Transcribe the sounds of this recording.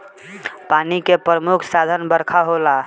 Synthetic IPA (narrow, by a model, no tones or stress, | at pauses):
panikepɾəmukʰsad̪ʱənbəɾkʰaɦola